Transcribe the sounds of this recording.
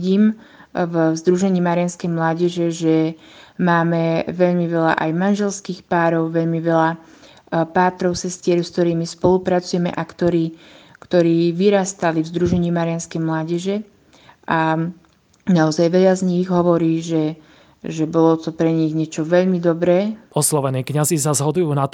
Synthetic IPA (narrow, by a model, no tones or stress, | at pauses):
ɟiːm | vzd̪ɾuʒɛɲiːmaɾɪanskɛjmlaːɟɛʒɛʒɛ | maːmɛʋɛʎmiʋɛʎa̰ʔajmanʒɛlskiːxpaːɾɔʊʋɛʎmiʋɛʎa | paːt̪ɾɔʊsɛst̪ɪɛɾskt̪ɔɾiːmispɔlupɾat͡sujɛmɛ̰ʔakt̪ɔɾiː | kt̪ɔɾiːʋiɾaːst̪alivzd̪ɾuʒɛɲɪimaɾɪanskɛjmlaːɟɛʒɛ | ʔa | naɔzajʋɛʎazɲiɣɦɔʋɔɾiːʒɛ | ʒɛbɔlɔt̪ɔpɾɛɲiɣɲɛt͡ʃɔʋɛʎmid̪ɔbɾɛːɔslɔʋɛniːkɲazis̬azɦɔd̪ujuːnat̪